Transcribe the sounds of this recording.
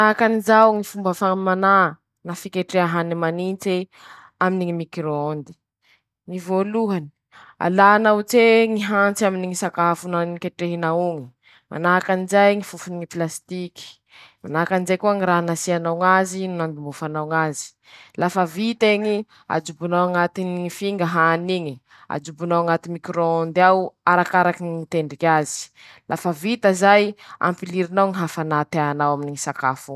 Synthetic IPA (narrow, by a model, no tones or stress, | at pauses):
nakanizawŋifumbəfamana | nafikeʈ͡ʂeaɦanimanint͡se | aminiŋimikɾoond̪i̥ | nivoluɦani̥ | a̰lanawt͡seŋiɦant͡saminiŋisakafunanikeʈ͡ʂeɦinauŋi̥ | ma̰nakanizajŋifufuniplast̪iki̥ | manakanizajkuaŋiɾaɦanasianawŋazinunambimbufanawŋazi̥ | lafəvit̪eɲi | a̰d͡ʒubunawaŋat̪iniifiŋɡəɦaniɲi | a̰d͡ʒubunawaŋat̪imikɾoond̪awaɾakaɾakiniit̪eɳɖ͡ʐikʲazi̥ | lʔa̰fəvit̪əzaja̰mpiliɾinawŋiɦafanat̪anawaminiŋisakafu